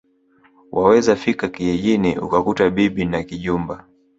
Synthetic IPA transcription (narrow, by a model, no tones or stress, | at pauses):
wʔawɛzafikakiɛʄiniṵkakutaɓiɓinakiʄumba